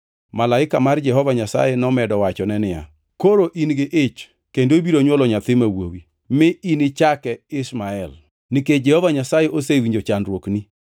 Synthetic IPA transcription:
malaɪkamard͡ʒɛɦɔvaɲasa̰jɛnɔmɛdɔwat͡ʃɔnɛnɪja̰ | koɾoʔinɡɪʔet͡ʃ | kendoibiɾoɲwɔlɔɲat̪ɪmawo̰wi | mɪinɪt͡ʃakɛɪsmaɛl | nɪked͡ʒɛhɔvaɲasajɛʔosewiɲd͡ʒot͡ʃandɾwokni

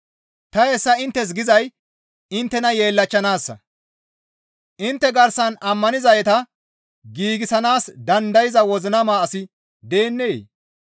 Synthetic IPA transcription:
t̪ɐesːɐɪnt̪ːɛs̬ɡɪzɐj | ɪnt̪ːɛnɐje̞ːlːɐt͡ʃːɐnaːsːɐ̰ | ʔɪnt̪ːɛɡɐɾsɐnɐmːɐnɪzɐjɛt̪ɐ | ɡiːɡɪsɐnaːsd̪ɐnd̪ɐjɪzɐwɔzɪnɐmaːsɪ | d̪e̞ːnːḛː

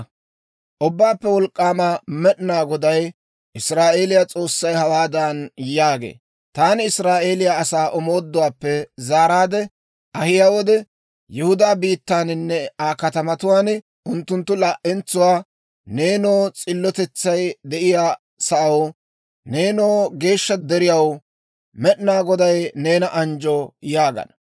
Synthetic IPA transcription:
ʔʊbːaːpːɛwɔlkʼːaːmamɛɗnaːɡɔd̪ɐj | ʔɪsɾaːʔe̞ːlɪjat͡sʼo̞ːsːɐjhɐwaːd̪anjaːɡḛː | t̪aːnɪɪsɾaːʔe̞ːlɪjaɐsaːʔɔmo̞ːd̪ːʊwaːpːɛzaːɾaːd̪ɛ | ʔɐhɪjaːwɔd̪ɛ | jɛhʊd̪aːbiːt̪ːaːnɪnːɛaːkɐt̪ɐmɐt̪ʊwaːn | ʊnt̪ːʊnt̪ːʊlɐʔɛnt͡sːʊwaː | ne̞ːnoːt͡sʼɪlːɔt̪ɛt͡sːɐjd̪ɛʔɪjaː | sɐʔɐw | ne̞ːnoːɡe̞ːʃːɐd̪ɛɾɪjɐw | mɛʔnaːɡɔd̪ɐjne̞ːnɐʔɐnd͡ʒɔjaːɡɐ̰nɐ

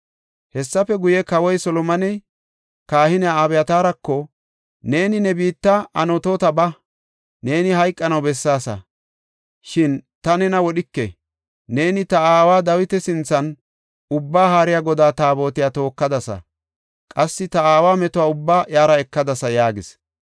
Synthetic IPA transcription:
hɛsːɐfɛɡʊjɛkɐwɔjsɔlɔmɐnɛ | kaːhɪnɛjaabɛjɐt̪aːɾɐkːɔ | ne̞ːnɪnɛbiːt̪ːɐɐ̰nɔt̪oːt̪ɐbɐ | ne̞ːnɪɦɐjkʼːɐnɐwbɛsːaːsɐ̰ | ʃɪnt̪ɐnɛnɐwɔɗɪkːɛ | ne̞ːnɪt̪ɐaːwaːd̪ɐwɪt̪ɛsɪnt͡sːɐn | ʊbːaːɦaːɾɪjaɡɔd̪aːt̪aːbo̞ːt̪ɪjaːt̪o̞ːkːɐd̪ɐsɐ̰ | kʼɐsːɪt̪ɐaːwaːmɛt̪ɔwaːʊbːaːʔjaːɾɐɛkːɐd̪ɐsɐjaːɡɪs

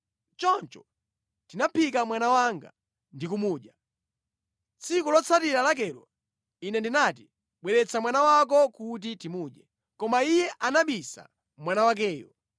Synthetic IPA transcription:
t͡ʃɔnt͡ʃɔ̥ | tinapikamwanawaŋɡa̰ | ndikumuːɗa | t͡sʰikulɔt͡sʰatiɾalak̬ɛɾɔ̰ | inɛndinati | ɓwɛɾɛt͡sʰamwanawak̬ɔkut̬itimuːɗɛ | kɔmaijɛʔanaɓisa̰ | mwanawak̬ɛːjɔ̰

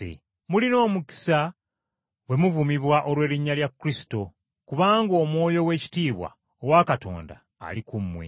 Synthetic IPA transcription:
ḛ | mulino̞ːmuki̥sa | we̞muvumiβwaʔo̞lwe̞ːliɲːaljakːuɾisi̥to̞ | kuβaːŋɡo̞ːmwo̞ːjo̞we̞ːci̥tiːβwa̰ | owakato̞̰ːnda̰ːlikumːwḛ

